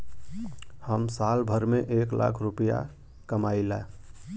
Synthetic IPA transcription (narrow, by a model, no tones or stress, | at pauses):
həmsaːlbʱəɾmẽʔeːklʔa̰ːkʰɾupəja̰ | kəmaːɪlɛ